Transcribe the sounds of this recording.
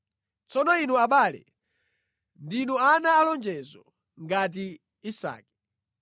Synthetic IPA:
t͡sɔnɔinuaɓaːlɛ̰ | ndinuanaːlɔnd͡ʒɛzɔ̰ | ŋɡat̬i | isa̰ːkɛ̥

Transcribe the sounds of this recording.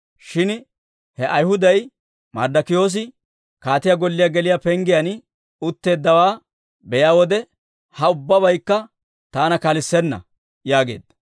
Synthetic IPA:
ʃɪn | hɛʔɐjhʊd̪ɐj | mɐ̰ɾd̪ɐkɪjo̞ːs̬ɪ | kaːt̪ɪjɐɡɔlːɪjaɡɛlɪjapɛŋɡɪjɐn | ʊt̪ːe̞ːd̪ːɐwaː | bɛjaːwɔd̪ɛ | hɐʊbːɐβɐjkːɐ | t̪aːnɐkɐlɪsːɛnːɐ̰ | jaːɡe̞̰ːd̪ːɐ

